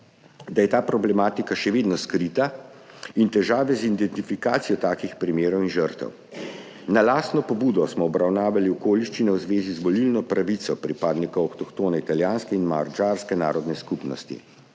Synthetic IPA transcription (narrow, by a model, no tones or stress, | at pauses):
d̪ajɛt̪aːpɾɔblɛmaːt̪ikaʃɛʋeːd̪nɔskɾit̪a | int̪ɛʒaːʋɛzind̪ɛnt̪ifikaːt̪sijɔt̪aːkixpɾimeːɾɔwinʒəɾt̪ɛ̰w | nalaːst̪nɔpɔbuːd̪ɔsmɔːbɾawnaːʋaliɔkoːliʃt͡ʃinɛwzʋeːzizʋɔlilnɔpɾaʋit̪sɔpɾipaːd̪nikɐɔxt̪ɔkt̪oːnɛit̪aljaːnskɛinma̰ɾd͡ʒaːɾskɛna̰ːɾɔd̪nɛskupnɔ̰st̪ḭ